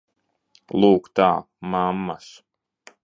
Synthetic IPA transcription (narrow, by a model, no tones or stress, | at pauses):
lˠuːkt̪aː | mamːas